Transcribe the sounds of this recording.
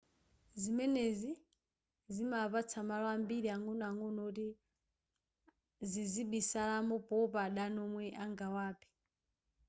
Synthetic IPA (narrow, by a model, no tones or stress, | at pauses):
zimɛnezi | zimapat͡sʰamalɔambiɾiaŋɡɔnaŋɡɔnɔti | ziziɓisalamɔpɔpaɗanɔmwɛʔaŋɡawaːpʰi̥